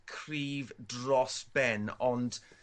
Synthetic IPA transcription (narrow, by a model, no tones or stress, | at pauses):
kʰriːvdrɔsb̥ɛnɔnd̥